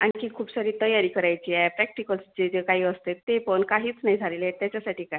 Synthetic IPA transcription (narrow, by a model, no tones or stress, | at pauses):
aɽ̃ikiːkʰuːbsaɾiːt̪əjaɾiːkəɾajt͡ɕiːapɾɛk̚ʈikəlsd͡ʑet̪ekaɦiːəst̪et̪ːepənkaɦiːt͡snaɦid͡zʱalelet̪jat͡ɕjasaʈiːka